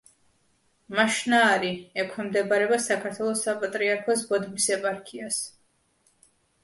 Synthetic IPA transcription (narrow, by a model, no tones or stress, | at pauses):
maʃnaːɾiɛkʰɛmd̪ɛbaɾɛbasakʰaɾt̪ʰwɛlˠɔsapʼat̪ʼɾiaɾkʰɔs̬bɔd̪misɛpʼaɾkʰias